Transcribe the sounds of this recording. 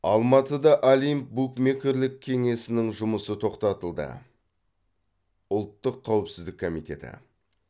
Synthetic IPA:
ɑlˠmɑt̪əd̪ɑʔalijmp̚bukmekʲɪɾlɪkʲʰːe̞ŋe̞sɪnɪŋʒʊməsət̪ʰo̞qt̪ɑt̪əlˠd̪ə̰ | ʊlˠt̪ːəqʰːɑwɪpsɪzd̪ɪkʰːo̞mijt̪ʲe̞t̪ɪ̰

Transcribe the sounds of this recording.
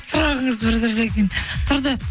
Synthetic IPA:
sʊɾɑʁəɴəzbɪɾd̪ɪɾd̪ekʲent̪ʰʊɾd̪ə

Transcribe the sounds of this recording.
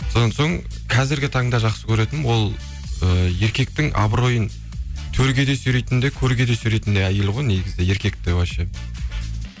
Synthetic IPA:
so̞d̪ɑnso̞ɴ | qʰɑzɪɾɡʲɪt̪ʰɑɴd̪ɑʒɑqsəkʲʰɵɾe̞t̪ɪnwo̞lˠ | əje̞ɾkʲe̞k̚t̪ɪŋɑ̰bɾo̞jən | t̪ʰɵɾɡʲe̞d̪e̞syjɾejt̪ɪnd̪e̞kʲʰɵɾɡʲe̞d̪esʏɾejt̪ɪnd̪eɑjəlˠʁojne̞ɡʲɪzɪje̞ɾkʲe̞k̚t̪ewæʃe

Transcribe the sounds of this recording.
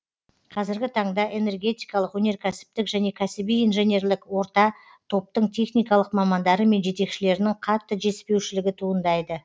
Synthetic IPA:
qʰɑzɪɾɡʲɪt̪ʰɑɴd̪ɑʔe̞ne̞rɡʲe̞t̪ijkɑlˠəqwɵne̞ɾkʲʰæsɪ̥p̚t̪ɪkʒæne̞kʲʰæsɪbijinʒe̞ne̞rlɪkwo̞ɾt̪ɑ | t̪ʰo̞p̚t̪əɴt̪ʰe̞χnijkɑlˠəqmɑmɑnd̪ɑɾəme̞nʒe̞t̪e̞kʃɪle̞ɾɪnɪɴqʰɑt̪ːəʒe̞spe̞wʃɪlɪɡʲɪt̪ʰuənd̪ɑjd̪ə

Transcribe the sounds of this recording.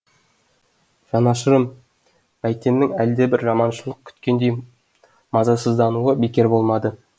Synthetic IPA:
ʒ̥ɑnɑʃəɾəm | mæjt̪e̞nːɪŋæld̪e̞bɪɾʒɑmɑnʃəlˠəq̚kʲʰʏ̥t̪kʲe̞nd̪e̞j | mɑzɑsəzd̪ɑnuəbekʲe̞ɾbo̞lˠmɑd̪ə

